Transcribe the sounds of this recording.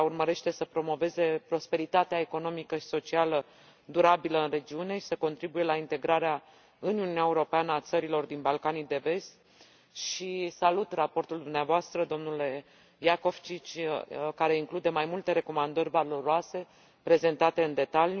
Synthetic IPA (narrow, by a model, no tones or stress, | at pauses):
aurməɾe̞ʃt̪e̞səpɾo̞mo̞ve̞ze̞pɾo̞spe̞ɾit̪at̪eae̞ko̞no̞mikəʃi̥so̞t͡ʃialə | d̪uɾabiləɨnre̞d͡ʒiune̞ʃi̥səko̞nt̪ɾibuje̞laint̪e̞ɡɾaɾea | ɨniununeaeuɾo̞peanəat̪səɾilo̞rd̪inbalkanid̪e̞ve̞st̪ | ʃisalut̪rapo̞rt̪uld̪umneavoast̪ɾəd̪o̞mnule̞ | jako̞v̥t͡ʃit͡ʃʲkaɾe̞iŋklud̪e̞majmult̪e̞ɾe̞ko̞mand̪əɾʲvalo̞ɾoase̞ | pɾe̞ze̞nt̪at̪e̞ɨnd̪e̞t̪alj